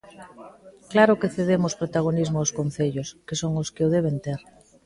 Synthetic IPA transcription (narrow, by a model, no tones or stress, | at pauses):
klaɾʊkeθeðemʊspɾot̪aɣ̞onizmʊawskon̟θeʎʊskesoŋoskɪoð̞eβ̞ent̪eɾ